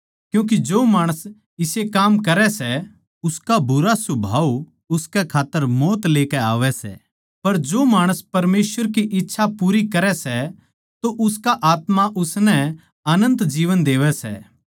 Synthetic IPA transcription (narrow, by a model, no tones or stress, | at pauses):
kjũːk̬id͡ʒoːmaːɽ̃əs | ɪsekaːmkɐɾɛsɛ | ʊskabʱʊɾasʊbʱaːu | ʊskɛkʰaːt̪ːəɾmɔːt̪leːkɛaːʋɛsɛ̰ | pɐɾd͡ʒoːmaːɽ̃əspɐɾmeːsʋəɾk̬iʔɪtːʃʰapuːɾikɐɾɛsɛ | t̪oʔʊskaʔaːt̪maʔʊsnɛ | ɐnə̃nt̪d͡ʒiːʋənd̪eːʋɛsɛ̰